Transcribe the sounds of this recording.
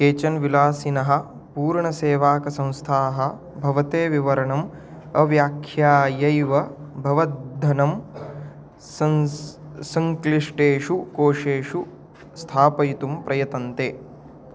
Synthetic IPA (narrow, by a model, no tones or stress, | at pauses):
keːt͡ʃɐnʋilaːsinɐɦɐ̆ | puːɾɳɐseːʋaːkɐsɐ̃w̃st̪ʰaːɦɐ̆ | bʱɐʋɐt̪eːʋiʋɐɾɐɳɐm | ɐʋjaːkʰjaːjɐjʋɐbʱɐʋɐd̪d̪ʱɐnɐm | sɐŋkliʂʈeːʂukoːʂeːʂu | st̪ʰaːpɐjit̪umpɾɐjɐt̪ɐnt̪eː